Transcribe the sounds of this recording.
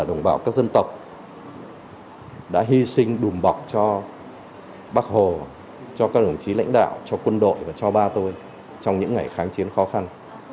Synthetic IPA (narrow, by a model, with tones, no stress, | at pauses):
ɗə˨˧˩wŋ͡mɓaː˧˩wkaː˦˥k̚zə˧nt̪ə˨˩wk͡p̚ | ɗa̰ː˧˥ɦi˧sï˧ŋ̟ɗu˨˩mɓa˨˩wk͡p̚t͡ɕɔ˧ | ɓaː˦˥k̚ho˨˩ | t͡ɕɔ˧kaː˦˥k̚ɗə˨˩ŋ͡mt͡ɕi˨˦la̰˧˥ŋ̟ɗa̰ː˧˨wt͡ɕɔ˧kwə˧nɗo̰˧˨jvaː˨˩t͡ɕɔ˧ɓaː˧t̪o˧j | t͡ɕɔ˧wŋ͡mɲɨ̰˧˥ŋːa˨˩jxaː˨˦ŋt͡ɕi˨˦ənxɔ˨˦xa˧n